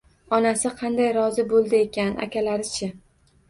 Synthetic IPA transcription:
ɒnasɪqʰɑnd̪ajɾɒzɪbolˠd̪ɪekʲʰana̰kʲalaɾɪt͡ʃʰɪ

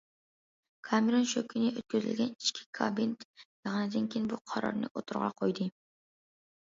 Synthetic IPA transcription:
kʰɑmeɾonʃøkʲʰinɪʔøt̪̚kʲʰøzɪ̰lʲɡʲɛni̥ʃkʲʰi̥kʰabint̪jɑʁnɨd̪ɨnkʲʰenbuqʰɑɾɑ̰ɾnɨ̰ʔot̪ʰuɾʁɑ̰qʰojd̪ɨ

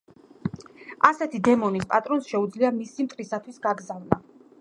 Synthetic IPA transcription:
asɛt̪ʰid̪ɛmɔnispʼat̪ʼɾɔnsʃɛud̪zliamisimt̪ʼɾisat̪ʰwisɡaɡzavna

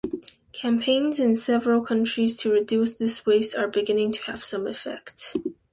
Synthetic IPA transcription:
kʰæ̃mpʰẽɪ̃nzɨ̃nsɛvɹəl̩ˠkʰʌ̃nt͡ʃɹ̥iz̥tʰɨɹɨdʉsðɪsweɪstə˞bɨɡɪ̃nɪ̃ŋtʰɨ̥əv̥sʌ̃mɨfɛ̰kt

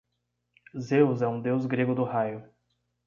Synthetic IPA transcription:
zewzɛũd̪ewzɡɾeɡʊd̪ʊhajʊ

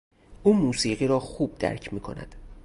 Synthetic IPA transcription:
ʔuːmuːsiːɢiːɾɒːxuːb̚d̪æ̰ɾcʰmiːkʰo̞̰næ̰d̪̥

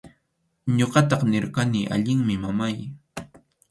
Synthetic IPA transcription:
ɲoɢɑt̪ɑχnɪɾkaniːʔa̰ʎɪŋmɪmamaj

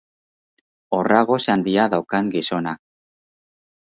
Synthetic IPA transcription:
o̞raɣo̞sand̪iaðawkaŋɡiso̞nak

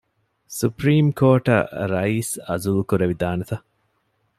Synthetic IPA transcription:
supɾiːmkoːʈɐ̰ɾɐiːsɐ̰zulukuɾeʋid̪aːnet̪ɐ

